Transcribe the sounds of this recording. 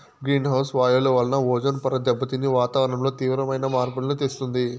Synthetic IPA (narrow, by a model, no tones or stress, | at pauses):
ɡɾiːnɦɐwsʋaːjɐluʋɐlɐnɐʋɔːd͡ʒɐnpɐɾɐd̪ɛbːɐt̪inːiʋaːt̪aːʋɾɐɳɐmlo̞ːt̪iːʋɾɐmɐjnɐmaːɾpuɽɐnut̪est̪und̪i